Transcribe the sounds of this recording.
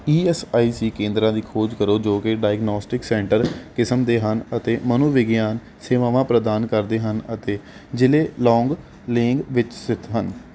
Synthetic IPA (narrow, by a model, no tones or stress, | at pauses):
iːɛːsaːiːsiːkẽːnd̪ɾãːd̪iːkʰoːd͡ʒkəɾoːd͡ʒoːkɪɖaːjɡnoːsʈɪksɛ̃ːɳʈəɾkɪsəmd̪eːɦənət̪eːmənoːʋɪɡjaːn | seːʋaːʋãːpɾəd̪aːnkəɾd̪eːɦənət̪eː | d͡ʒɪleːlɔːŋɡ | lɪŋɡʋɪt͡ʃsɪt̪ʰɦən